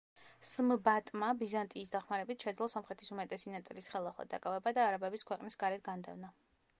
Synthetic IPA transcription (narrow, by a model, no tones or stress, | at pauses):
smbat̪ʼmabizant̪ʼiːsd̪aχmaɾɛbit̪ʰʃɛd̪zlˠɔsɔmχɾɛt̪ʰisumɛt̪ʼɛsinat̪sʼilisχɛlˠaχlˠa̰d̪a̰kʼavɛbad̪aːɾabɛbiskʰwɛqʼnisɡaɾɛt̪̚ʰɡand̪ɛ̰vna